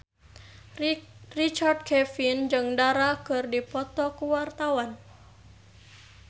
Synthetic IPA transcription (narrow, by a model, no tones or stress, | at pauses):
rit͡ʃard̚kʰɛfind͡ʒɨŋdaɾakɨrdipɔt̪ɔkuwart̪awan